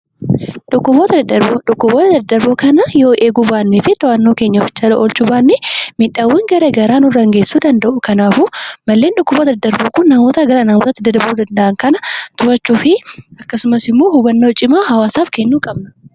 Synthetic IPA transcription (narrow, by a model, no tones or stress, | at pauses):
ᶑʊkːʊboːt̪ɐɐᶑʊkːʊboːt̪ɐd̪ɐd̪ɐɾbokɐnɐjoːʔeːɡʊbaːnːefɪt̪ɔʔɐnːoːke̞ːɲːɐfd͡ʒɐlɐʔɔlt͡ʃʊbaːnːɛmɪᶑaːwɐŋɡɐɾeːɡɐɾaːnʊrɐŋɡeːsːuːd̪ɐnd̪ɐʔʊkɐnaːfumɐlːe̞ːnᶑʊkːʊboːt̪ɐd̪ɐd̪ɐɾbokʊnːɐmo̞ːt̪ɐɡɐɾanɐmoːt̪ɐt̪ːɪd̪ɐd̪ɐbuːd̪ɐnd̪ɐʔɐŋkɐnɐt̪ʊɐt͡ʃːuːfɪɐkːɐsʊmɐsɪmːoːhʊɡɐnːo̞ːt͡ʃʼɪmaːɦɐwaːsaːfkɛnːuːkʼɐbnɐ̥